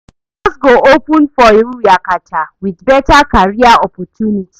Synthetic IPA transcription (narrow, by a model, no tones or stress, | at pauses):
ɔsɡoʔopɔ̃nfɔiɾujakatʰawiðbɛtakaɹiaɔpɔtʰjuniti̥